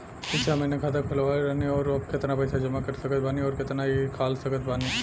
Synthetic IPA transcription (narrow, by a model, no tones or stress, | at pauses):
ɪseɐmenekʰat̪̬əkpʰɐlʋaːɾɐɦniɔːɾɐbkɪt̪napəːsad͡ʒɐmakɐɾsɐkət̪̚ʰbaːniɔːɾkɪt̪naikʰaːlsɐkət̪ʰbaːni